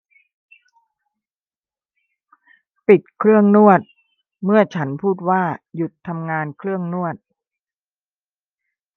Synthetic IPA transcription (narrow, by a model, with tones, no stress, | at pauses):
pi˨˩t̪̚kʰɾɯ˥˩əŋnu˥˩ət̪̚ | mɯ˥˩ət͡ɕʰa˦˥npʰuː˥˩t̪̚waː˥˩ju˨˩t̪ʰːa˧mŋaː˧nkʰɾɯ˥˩əŋnu˥˩ət̪̚